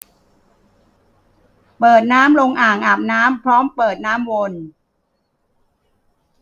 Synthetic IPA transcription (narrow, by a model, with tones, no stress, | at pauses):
pɤː˨˩t̪̚naː˦˥mɾo˧ŋʔaː˨˩ŋʔaː˨˩p̚naː˦˥mpʰɾɔː˦˥mpɤː˨˩t̪̚naː˦˥mwo˧n